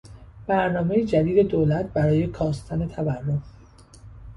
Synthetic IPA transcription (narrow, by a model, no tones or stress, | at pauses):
b̥æɾnɒːme̞jed͡ʒæd̪iːd̪e̞d̪oːlæt̪̚bæɾɒːje̞kʰɒːst̪ʰæne̞t̪ʰæværːo̞m